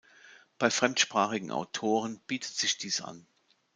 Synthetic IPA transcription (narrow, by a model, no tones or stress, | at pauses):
b̥aɪfʁ̥ɛmtʃpʁ̥aːχɪɡŋ̩ʔa̰ʊtʰoːʁ̞ənb̥iːtʰə̥tz̥ɪçd̥iːsʔa̰n